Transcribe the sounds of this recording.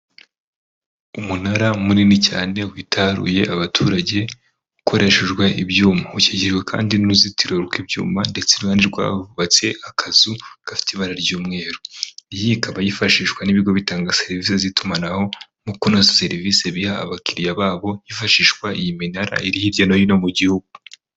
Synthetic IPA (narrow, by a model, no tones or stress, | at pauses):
umunaɾamuninicaːne̞witʰaɾṵje̞ʔaβatʰuɾaɟe̞ | ɡukʰo̞ɾʔe̞ʃeʒɡweʔibɟuːmauceɟiʒwekʰa̰ːndinuzitiɾoɾɡwibjṵːmande̞t͡seɾɡaːndiɾɡwa̰vuβat͡se̞akʰazuɡ̥afi̥tiβaɾaɾɟuːmŋe̞ːɾoijikaβajifaʃiːʃwaniβiɡo̞βitaːŋɡase̞ɾiviːsezitʰumanaho̞ | mukunozase̞ɾiviːse̞βihaa̰βakiɾijaβaːβo̞jifaʃiːʃkwaijiminaɾa̰iɾihiɾɟonojino̞muɟihuɡu